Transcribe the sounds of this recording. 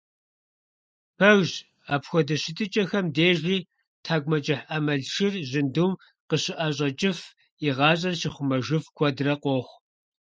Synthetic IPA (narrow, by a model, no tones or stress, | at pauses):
pʰɐɣʒ | aːpxʷɔdɐɕɪtʼɨt͡ʃʼɐxɐmdeːʒiː | tʰaːɡʷmɐt͡ʃʼɪħɐmɐɮʃɪrʑɪnduːm | qəɕɪʔɐɕʼɐt͡ʃʼɪf | iʁɑːɕʼɐrɕɪχʷʊmɐʒɨfkʷʰɔdrɐqʷoːχʷ